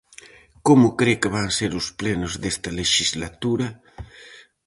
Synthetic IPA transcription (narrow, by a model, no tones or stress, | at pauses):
komʊkɾekeβaŋseɾusplenozd̪est̪ɐleʃizlat̪uɾɐ